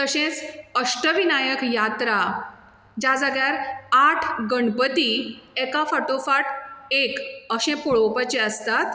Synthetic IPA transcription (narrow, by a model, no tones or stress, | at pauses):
t̪əɕẽt͡səʂʈəʋinajəkjat̪ɾa | d͡ʑad͡zaɡɭjaɾaʈʰɡəɳpət̪iɛkafaʈofaʈekəɕɛ̃pɔɭopət͡ɕeəst̪at̪